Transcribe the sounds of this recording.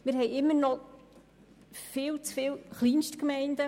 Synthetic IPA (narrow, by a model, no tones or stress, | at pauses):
mɪːɾɦɛjɪmːənɔ | fɪːlt͡sfɪːlχliːnʃtkmɛɪndə